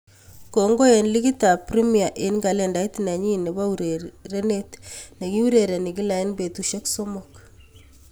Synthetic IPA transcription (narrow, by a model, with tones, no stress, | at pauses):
ko˨ŋɡo˦e˨nli˦ɡi˦ta˨pɾi˦mi˨a˨ʔe˨nɡa˨lɛ˦˨nda˨i˦tna˨ɲi˦ne˨ba˦u˨ɾe˨ɾe˦ne˦tne˨ki˦u˦ɾe˨ɾe˨ni˨k̬i˦la˨i˦nbe˨tu˨ʃe˦kso˦mɔk